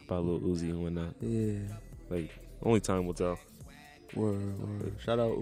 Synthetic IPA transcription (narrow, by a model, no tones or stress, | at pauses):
b̥aloʔoziɨ̃nwɛ̃nat̚jælaɪkõʊ̃nlitʰãɪ̃mwətʰɛlˠ | wɛwɛ̰ʃaʊɾaʊt